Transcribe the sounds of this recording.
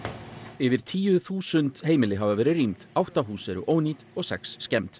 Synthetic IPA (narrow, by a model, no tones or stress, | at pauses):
ɪvɪɾ̥t̪ʰiːjʏθuːsʏnt̪heːjmɪlɪɦavavɛːɾɪrimt̪awht̪aɦuːsɛɾʏ̰ʔoːwniːt̪ɔɣsɛksːcɛmt̪